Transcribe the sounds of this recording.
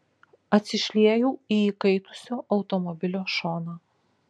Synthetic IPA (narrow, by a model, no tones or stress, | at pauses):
ɐt̪ʲsʲɪʃʲlʲiɛjuːiiːkɐɪt̪ʊ̥sʲoːʔɐʊt̪ɔmɔbʲɪlʲoːʃoːnoː